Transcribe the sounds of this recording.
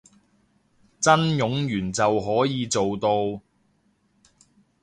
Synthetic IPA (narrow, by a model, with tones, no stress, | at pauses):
t͡sɐ˥njʊ˨˥ŋjyː˨˩nt͡sɐ˨wɦɔː˨˥jiː˨˧t͡so˨wt̪o˧w